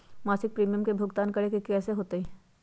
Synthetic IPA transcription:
maːsɪk̚pɾiːmijəmkebʱʊɡt̪aːnkɐɽekekɛːseɦoːt̪ei

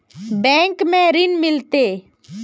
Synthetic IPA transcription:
bɛ̃ːŋkmẽːɾɪnmɪlt̪eː

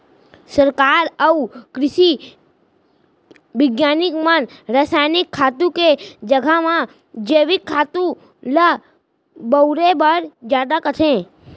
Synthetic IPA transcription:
səɾkaɾəukɾɪʃi | ʋɪɡjanikmaənɾasajnikʰːat̪ũked͡ʒəɡʱamã | d͡ʒeʋikʰːaːt̪ũ | lə | bəuɾebəɾd͡ʒjad̪akət̪ʰẽ

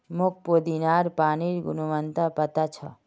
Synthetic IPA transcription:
mok̚poːd̪inaːɾpaːniɾɡṵnuʋənt̪apət̪at͡ʃʰɐ̰

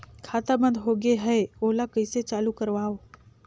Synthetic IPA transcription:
kʰaːt̪abə̃nd̪ɦoːɡeɦɛeoːlakəiset͡ʃaːlukəɾʋaːoː

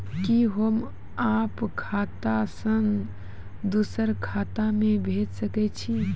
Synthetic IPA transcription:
kiɦəm | apkʰat̪asəŋɡ | d̪usəɾkʰat̪amẽbʱet̪səkɛt͡ʃʰi

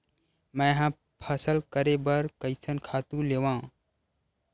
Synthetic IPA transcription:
mɛ̃ɦã | pʰəsəlkəɾebəɾkəɪsənkʰaːt̪ũleːʋãː

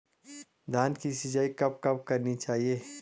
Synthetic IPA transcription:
d̪ʱaːnkisid͡ʒaːikɐp̚kɐp̚kɐɾnit͡ʃaːɦieː

